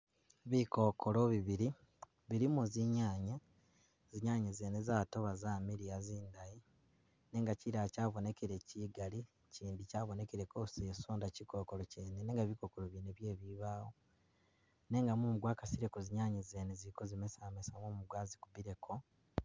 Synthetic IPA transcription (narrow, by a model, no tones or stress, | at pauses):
βiko̞ːkoloβiβiɾi | βiɾimuziɲaːɲa | ziɲaːɲezeːnezaːto̞βazaːmiɾiaziːndaji | ne̞ːŋɡaciɾacaːβo̞ne̞keɾe̞ciːɡali | ciːndicaːβo̞ne̞keɾe̞koseːsoːndaciko̞koloceːnene̞ːŋɡaβiko̞koloβineβje̞ːβiβaːwo̞ | ne̞ːŋɡamumuɡwaːkasiɾekoziɲaːɲezeːnezikozimesamesamoːmuɡwaːzikuβiɾe̞kʰo̞